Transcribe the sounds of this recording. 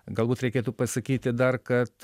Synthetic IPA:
ɡɐlˠbuːt̪ɾʲɛɪkʲeːt̪uːpɐsɐkʲiːt̪ʲɪd̪ɐrkɐt̪

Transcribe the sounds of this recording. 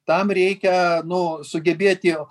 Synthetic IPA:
t̪ɐmɾʲɛɪkʲɛnʊsʊɡʲɛbʲeːt̪ʲɪ

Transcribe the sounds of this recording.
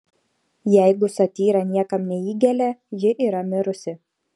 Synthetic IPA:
jɛˑɪɡʊsɐt̪ʲiːɾɐnʲiɛkɐmnʲɛiːɡʲɛlʲɛjɪʔiːɾɐmʲɪɾʊsʲɪ

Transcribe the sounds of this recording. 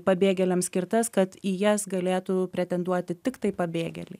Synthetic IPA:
pɐbʲeːɡʲɛlʲɛmsʲkʲɪɾt̪ɐskɐt̪ijɛsɡɐlʲeːt̪ʊpʲɾʲɛt̪ʲɛnd̪uɔt̪ʲɪt̪ʲɪkt̪ɐɪpɐbʲeːɡʲɛ̰lʲɛ

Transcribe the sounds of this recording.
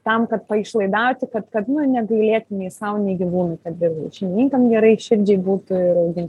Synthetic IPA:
t̪ɐmkɐt̪̚pɐɪʃlˠɐɪd̪ɑʊt̪ʲɪkɐt̪kɐt̪nʊnʲɛɡɐɪlʲeːt̪ʲʊnʲɛɪsɐʊnʲɛɪɡʲiʋuːnɐɪkɐt̪ʋʲɪɡɐʃʲɛnʲnʲiːŋkɐmɡʲɛɾɐɪʃʲɪɾʲd͡ʒʲɛɪbuːt̪ʊɪɾɐʊɡʲɪnʲt̪ʲ

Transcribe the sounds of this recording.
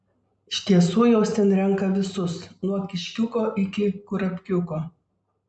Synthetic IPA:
ɪʃʲt̪ʲiɛsuːjɛʊst̪ʲɛnɾʲɛŋˑkɐʋʲɪsʊsnuɔkʲɪʃʲkʲʊkoːʔɪkʲɪkʊɾɐpʲkʲʊkoː

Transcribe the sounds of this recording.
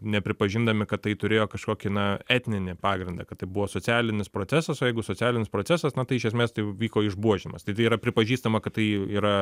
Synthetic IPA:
nʲɛpʲɾʲɪpɐʒʲɪnd̪ɐmʲɪkɐt̪t̪ːɐɪt̪ʊɾʲeːjoːkɐʃkoːkʲɪnɐɛt̪ʲnʲɪnʲɪpɑːɡɾʲɪnd̪ɐkɐt̪ɐɪbʊʋoːsoːt͡sʲæːlʲɪnʲɪspɾoːt͡s̪ʲæːsɐsoːjɛɪɡʊsoːt͡sʲæːlʲɪnʲɪspɾoːt͡sʲæsɐsnɐt̪ɐɪɪʃʲɛs̬ʲmʲeːst̪ɐɪʋʲiːkoːɪʒbuɔʒʲɪmɐ̰st̪ɐɪt̪ɐɪiɾɐpʲɾʲɪpɐʒʲiːst̪ɐmɐkɐt̪t̪ɐɪiːɾɐ

